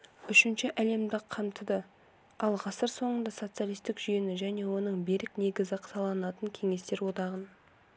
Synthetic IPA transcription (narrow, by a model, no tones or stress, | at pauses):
ʏʃɪnʃɪʔæle̞md̪ɪqʰːɑmt̪əd̪ə | ɑlˠqʰɑsəɾso̞ɴənd̪ɑso̞t̪sɨjalˠijst̪ɪkʒʏjenɪʒæne̞wo̞nəɴbe̞ɾɪkne̞ɡʲɪzɪqʰt̪ʰɑlˠɑnɑt̪əŋkʲʰe̞ŋe̞st̪e̞ɾwo̞d̪ɑʁən